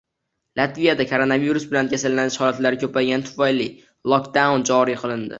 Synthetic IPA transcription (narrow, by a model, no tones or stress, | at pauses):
lˠat̪vijad̪akʰoɾonaviɾusbɪlankʲʰasalːanɪʃhɒlat̪laɾɪkʲʰɵpajɡʲant̪ʰʊ̥fajlɪ | lˠɒkd̪awnd͡ʒɒɾijqʰɨlˠɪnd̪ɪ̰